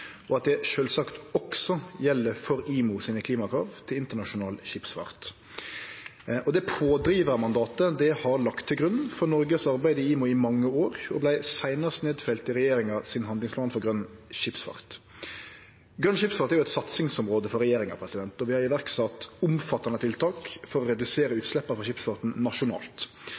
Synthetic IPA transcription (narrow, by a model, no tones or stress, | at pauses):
ɔɑt̪̚d̪ɛʃøːlsɑkt̪ɔksɔjɛlːəɾfɔɾiːmʊsiːnəkʰliːmɑkʰʁɑːʋt̪ʰɪlɪnt̪əɳɑʂʊnɑːlʃɪpsfɑ̰ːɾt̪ | ʔɔd̪ɛpʰoːd̪ɾiːʋəɾɑmɑnd̪ɑːt̪əd̪ɛhɑɾlɑkt̪ʰːɪlɡɾʉn̩fɔnɔɾɡəsɑɾbæɪd̪əɪiːmʊɪmɑŋːəoːɾɔ̰blæɪsæɪnəst̪neːd̪fɛlt̪ɪɾɛjeːɾɪŋɑsɪnɦɑnd̪lɪŋsplɑːnfɔɾɡɾœnːʃɪpsfɑ̰ʁt̪ | ɡɾœnʃɪpsfɑːt̪æɾjʊɛt̪sɑt̪sɪŋsɔmɾoːd̪əfɔɾɛjeːɾɪŋɑ̰pʰɾɛsɪd̪ɛnt̪ɔʋɪhɑɾɪʋæʁksɑt̪ʊmfɑt̪ːɑnət̪ʰɪlt̪ʰɑːkfɔɾɔɾɛd̪ʉseːɾəʉːt̪slɛpːəfɔʁʃɪpsfɑʁt̪n̩nɑʂʊnɑ̰ːlt̪